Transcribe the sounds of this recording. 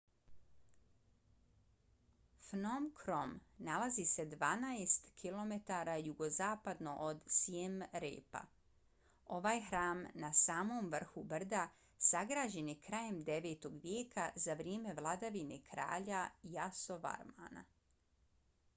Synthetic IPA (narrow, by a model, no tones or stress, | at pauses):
fnomkʰɾo̞mnalˠazise̞d̪ʋaːnajest̪kʰilˠo̞me̞t̪aɾajuɡo̞zaːpad̪no̞ʔod̪siemɾḛːpa̰ | o̞ʋaːjxɾaːmnasaːmo̞ːmʋr̩xubr̩d̪a | saɡɾaːʒe̞nikɾaːje̞md̪e̞ʋe̞ːt̪o̞ɡʋjeːkʰazaʋɾjeːme̞ʋlˠad̪aʋine̞kʰɾa̰ːʎajaso̞ʋa̰ɾma̰ːna̰